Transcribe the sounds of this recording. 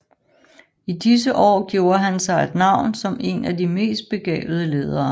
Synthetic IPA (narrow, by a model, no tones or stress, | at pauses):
id̥is̬əʔɒ̰ːɡ̥jo̝ʊːɐɦænsɑ̈ɪed̥nɑ̈ʊ̰nsɒ̽me̝̰næd̥ime̝̰ːsd̥̚b̥e̝ɡ̥ɛ̰ːb̥ð̩ˠəle̝ːð̞ˠɐː